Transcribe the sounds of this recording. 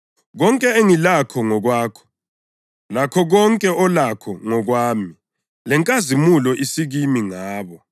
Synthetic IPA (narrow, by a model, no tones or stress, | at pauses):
ɣɔŋkʼɛeŋilakʰɔŋɔɣwaːkʰɔ̥ | lakʰɔɣɔŋkʼɛɔlakʰɔŋɔɣwaːmi | lɛŋkʼazimulɔʔisiɣimiŋaːβɔ